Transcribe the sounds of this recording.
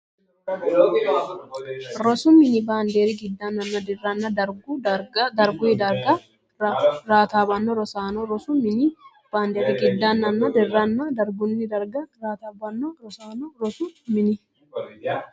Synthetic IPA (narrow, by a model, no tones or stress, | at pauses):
ɾɔsʊmɪnɪbaːnd̪eːɾiɡɪd̪ːaːnɐnːɐd̪ɪrːanːɐd̪ɐɾɡud̪ɐɾɡʊɪd̪ɐɾɡɐ | ɾaːt̪aːbɐnːɔɾɔsaːnɔɾɔsʊmɪnɪ | b̥aːnd̪eːɾiɡɪd̪ːaːnːɐnːɐd̪ɪrːɐnːɐd̪ɐɾɡʊnːɪd̪ɐɾɡɐɾaːt̪abɐnːɔɾɔsaːnɔɾɔsumɪnɪ